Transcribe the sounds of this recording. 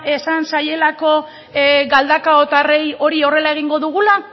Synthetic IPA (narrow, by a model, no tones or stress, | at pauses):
e̞sansaje̞lako̞ | ɡald̪akao̞t̪are̞jo̞ɾio̞re̞lae̞ɣ̞iŋɡo̞ðuɣ̞ula